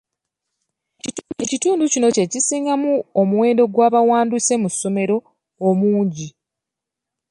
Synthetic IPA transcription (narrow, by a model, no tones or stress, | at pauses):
ecituːnducino̞ce̞cisiːŋɡamuomuwe̞ːndo̞ɡwaːβawaːnduse̞musːo̞me̞ɾo̞ː | muːɲɟi